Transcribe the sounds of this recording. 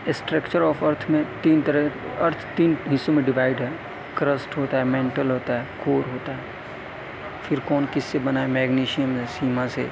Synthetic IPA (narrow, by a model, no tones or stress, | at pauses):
sʈɾəkt͡ʃəɾɔːfɐɾt̪ʰmẽt̪iːnt̪əɾɛ | ɐɾt̪ʰt̪iːnɦɪsomẽɖɪʋaːɪɖɦɛː | kɾəsʈɦoːt̪aɦɛmẽːɳʈəlɦoːt̪aɦɛːkoːɾɦoːt̪aɦɛː | fʰɪɾkɔːnkɪsːebɐnaːemɛːɡniːʃijəmsiːmãsḛː